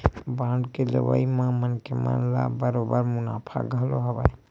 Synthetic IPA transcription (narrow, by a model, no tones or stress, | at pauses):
bãːɳɖkelə̰ʋa̰imãmənkema̰nla̰bəɾobəɾmʊnaːpʰa̰ɡʱəloɦəbaj